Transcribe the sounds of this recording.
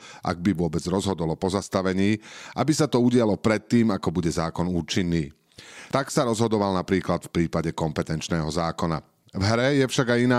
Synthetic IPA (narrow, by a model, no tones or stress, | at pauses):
ʔa̰ɡ̚biʋʊɔbɛd͡zɾɔzɦɔd̪ɔlɔpɔzast̪aʋɛɲiːʔabisat̪ɔuɟɪalɔpɾɛt̪ːiːmakɔbuɟɛzaːkɔnuːt͡ʃinːiː | t̪aksaɾɔzɦɔd̪ɔʋalnapɾiːklat̪fpɾiːpaɟɛkɔmpɛt̪ɛnt͡ʃnɛːɦɔzaːkɔna̰ | vɦɾɛjɛfʃaɡajinaː